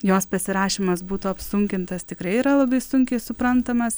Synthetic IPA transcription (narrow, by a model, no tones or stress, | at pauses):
joːspɐsʲɪɾɑːʃʲiːmɐsbuːt̪uːɐpsʊŋʲkʲɪnt̪ɐst̪ʲɪkɾɐɪiɾɐlˠɐbɐɪsʊŋʲkʲɛɪsʊpɾɐnt̪ɐmɐs